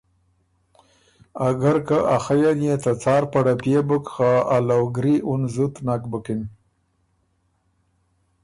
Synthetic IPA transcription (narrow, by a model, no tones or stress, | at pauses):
aɡaɾkaʔaxajanjet̪at͡sɑːɾpaɽapjebəkxaalawɡɾiʔunzut̪nakbəkin